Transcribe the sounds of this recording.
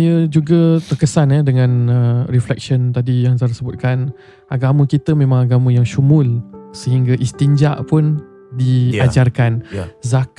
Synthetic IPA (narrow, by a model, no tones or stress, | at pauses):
jəd͡ʒuɡət̪ərkəsanɛdəŋãnəriflɛk̚ʃənt̪adijaŋsaɾəsəbʊt̪̚kan | aɡaməkit̪əmẽmãŋaɡamə̃jaŋʃumʊlsəɦiŋɡaʔist̪iɲd͡ʒaʔpʊn | diad͡ʒarkanzak